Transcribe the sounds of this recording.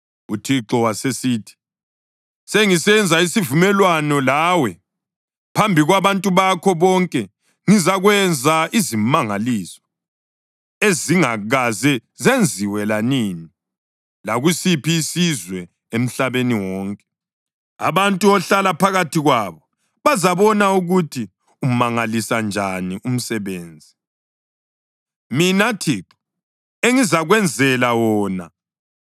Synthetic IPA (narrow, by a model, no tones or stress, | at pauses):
utʰiǁɔwasesiːtʰi̥ | seŋisɛnd͡zʱaisivumɛlwanɔlaːwɛ | pʰambʱiɣwaβantʼuβakʰɔβɔŋkʼɛ | ŋizaɣwɛnd͡zʱaizimaŋaliːsɔ̥ | eziŋaɣazɛzend͡zʱiwɛlaniːni | laɣusipiːsizwɛ | em̩ɬaβeniwɔːŋkʼɛ̥ | a̰βantʼuɔɬalapʰaɣatʰiɣwaːβɔ | βazaβɔnauɣutʰi | um̩maŋalisand͡ʒʱaniʔum̩sɛβeːnd͡zʱi | minatʰiǁu̥ | eŋizaɣwɛnd͡zʱɛlawɔːna̰